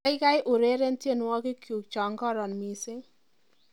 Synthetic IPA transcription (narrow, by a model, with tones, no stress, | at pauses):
ɪka˦jʔu˨ɾe˦ɾe˦ntje˦˨nwɔ˦kɪ˦kju˨k̚t͡ʃɔ˨ŋɡɔ˦ɾɔ˨nmi˨se˦